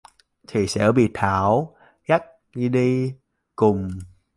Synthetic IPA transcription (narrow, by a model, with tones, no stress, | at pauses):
t̪ʰi˨˩sɛ̰˧˥ɓḭ˧˨t̪ʰaː˧˩˦w | ɣa˦˥k̚ | ɨ˧ɗi˧ | kʊ˨˩ŋ͡m